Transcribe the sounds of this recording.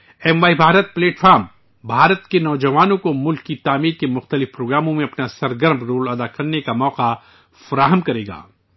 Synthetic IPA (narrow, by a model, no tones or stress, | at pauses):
ɛːmʋaːibʱaːɾət̪̚pleːʈfaːɾm | bʱaːɾət̪kenɔːd͡ʒɐʋaːnõkomʊlkːit̪aːmiːɾkemʊxt̪əlɪfpɾoːɡɾaːmõmẽɐpnasɐɾɡəɾmɾoːlɐd̪akɐɾnekamɔːqa | fɐɾaːɦəmkɐɾeːɡa̰ː